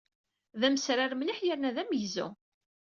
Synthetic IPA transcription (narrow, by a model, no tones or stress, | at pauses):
ðæməsɾaɾmliħjəɾnæðæmjəzṵ